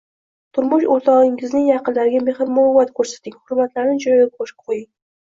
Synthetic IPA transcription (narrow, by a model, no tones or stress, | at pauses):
t̪ʰʊɾmʊʃoɾt̪ʰɒʁɪŋɪznɪŋjɑqɨnlaɾɪɡʲameχɨɾmʊlʊwːat̪kʰɵɾsḁt̪ɪŋhʊɾmat̪laɾnɪd͡ʒɒjɒjap̚ʰoʃɪ̥qʰojɪŋ